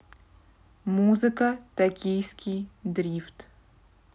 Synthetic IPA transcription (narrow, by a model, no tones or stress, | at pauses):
muzɨkɐt̪ɐkʲijskʲʰijd̪rʲift̪